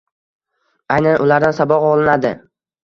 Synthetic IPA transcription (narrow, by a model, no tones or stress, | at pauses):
ajnanʔʊlaɾd̪ansabɒqɒlˠɪnad̪ɪ